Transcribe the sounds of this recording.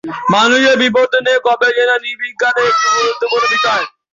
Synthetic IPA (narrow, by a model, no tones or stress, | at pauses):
manuʃeɾbipoɾd̪ʱonekɔbed͡ʒenanibiɡːanekiɡuɾot̪ːokoɾebit̪a